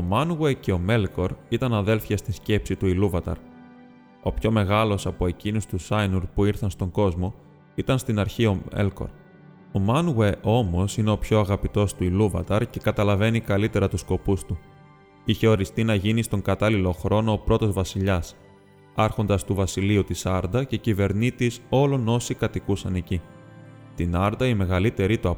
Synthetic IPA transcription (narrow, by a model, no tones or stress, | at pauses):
o̞mɐnuwece̞o̞me̞lko̞ɾit̪ɐnɐðe̞lfjɐst̪isce̞psit̪uiluvɐt̪ɐ̰ɾ | o̞pço̞me̞ɣɐlo̞sɐpo̞e̞cinust̪usɐjnuɾpuiɾθɐnst̪o̞ŋɡo̞zmo̞ | it̪ɐnst̪inɐɾçio̞mḛlko̰ɾ | o̞mɐnuwe̞ʔo̞mo̞sine̞o̞pço̞ɐɣɐpit̪o̞st̪uiluvɐ̰t̪ɐɾce̞kɐt̪ɐlɐve̞nikɐlit̪e̞ɾɐt̪usko̞pust̪u | içe̞o̞ɾist̪inɐʝinist̪o̞ŋɡɐt̪ɐlilo̞xɾo̞no̞ːpɾo̞t̪o̞zvɐsiʎɐs | ɐɾxo̞nd̪ɐst̪uvɐsiliut̪isɐɾd̪ɐce̞cive̞ɾnit̪iso̞lo̞no̞sikɐt̪ikusɐne̞ci | t̪inɐɾd̪ɐime̞ɣɐlit̪e̞ɾit̪uɐ